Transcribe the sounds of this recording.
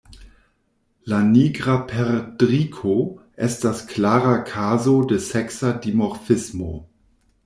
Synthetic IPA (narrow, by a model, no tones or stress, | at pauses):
laniɡʁapʰɛʁdʁikʰoʔɛstasklaːʁakʰaːzodesɛksadimoʁfɪsmo̰